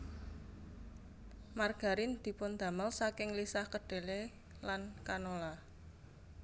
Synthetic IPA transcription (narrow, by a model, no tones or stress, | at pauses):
marɡ̥a̤ɾind̪̥i̤pʊnd̪̥a̤məlsakɪŋlisahkəɖ̥e̤le | lankanola